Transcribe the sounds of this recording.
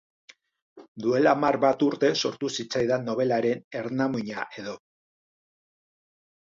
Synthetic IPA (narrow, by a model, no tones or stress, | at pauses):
d̪ue̞lamarβat̪uɾt̪e̞so̞ɾt̪usit͡sajðano̞β̞e̞laɾe̞ne̞ɾnamuɲa̰ʔe̞ðo̞